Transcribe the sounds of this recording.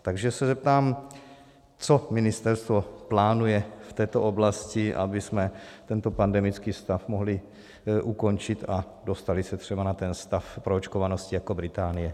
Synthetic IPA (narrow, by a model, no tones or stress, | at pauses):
t̪aɡʒɛsɛzɛp̚t̪aːm | t͡so̞mɪnɪst̪ɛɾst̪vo̞plaːnujɛft̪ɛːt̪oʔoblascɪʔa̰bɪsmɛt̪ɛnt̪o̞pandɛmɪt͡skiːfst̪afmoɦlɪ | ʔuko̞nt͡ʃɪt̪a | do̞st̪alɪsɛt̪r̥ɛbanat̪ɛnst̪afpɾoot͡ʃkovanoscɪjako̞bɾɪt̪aːnɪjɛ